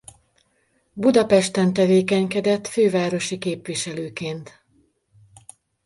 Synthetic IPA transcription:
bud̪ɒpɛʃt̪ɛnt̪ɛveːkɛɲkɛd̪ɛt̪føːvaːɾo̞ʃikeːpʋiʃɛløːkeːnt̪

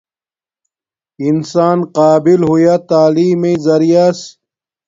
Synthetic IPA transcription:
insaːnqaːbilɦujat̪aːliːmezɐɾijas

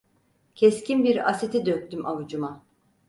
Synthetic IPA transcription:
cʰɛscimbiɾaset̪ʰid̪øk̚t̪ymʔavud͡ʒuma

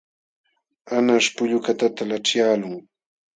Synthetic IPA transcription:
anaʂpʊʎʊkat̪at̪alaʈ͡ʂjaːlʊŋ

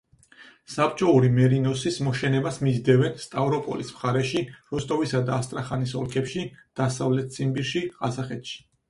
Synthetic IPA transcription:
sap̚ʼt͡ʃʼɔuɾimɛɾinɔsismɔʃɛnɛbasmizd̪ɛvɛnst̪ʼavɾɔpʼɔ̰lismχaɾɛʃiɾɔst̪ʼɔvisad̪aːst̪ʼɾaχanis̬ɔlˠkʰɛpʃid̪̥asavlɛt̪̚ʰsʼimbiɾʃiʁazaχɛt̪ʰʃi̥

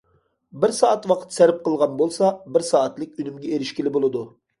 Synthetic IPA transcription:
bɪɾsɑːʔɑt̪wɑqʰə̥t̪sæɾɪp̚qʰəlˠʁɑnbolˠsɑbɪɾsɑːɑt̪lˠɪk̚ʲynymɡʲɛeɾɪʃkʲilɪbolˠɨd̪u

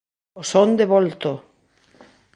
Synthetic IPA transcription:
osond̪eβolt̪o

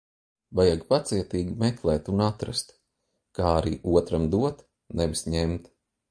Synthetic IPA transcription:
vajaɡpat̪siɛt̪iːɡʲmɛklˠɛːt̪unat̪ɾa̰st̪ | kaːaɾiːʔuɔt̪ɾamd̪uɔt̪ | nevisɲemt̪

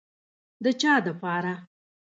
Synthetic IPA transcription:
d̪ət͡ʃɑd̪əpɑɾa

